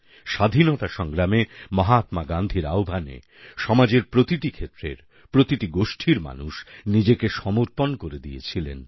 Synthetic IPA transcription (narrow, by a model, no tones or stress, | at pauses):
ʃad̪ʱinot̪aʃɔŋɡɾamemɔɦat̪maɡand̪ʱiɾa̰obʱanḛ | ʃɔmad͡ʑeɾpɾot̪iʈikʰet̪ːɾḛɾ | pɾot̪iʈiɡoʃʈʰiɾma̰nuʃnid͡ʑekeʃɔmoɾponkoɾed̪iet͡ɕʰilen